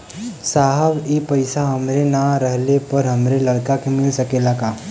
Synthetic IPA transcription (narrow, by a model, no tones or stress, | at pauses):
saːɦəʋipɐɪsaɦɐmɾenaɾəɦlepɐɾɦɐmɾelɐɽkakemɪlsɐkelakaː